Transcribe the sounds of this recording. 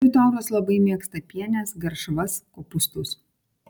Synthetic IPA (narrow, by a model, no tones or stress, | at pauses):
ɪt̪ɔːɾoslˠɐbɐɪmʲiɛkst̪ɐpʲiɛnʲɛsɡɐɾʃʋɐskoːpʊst̪ʊs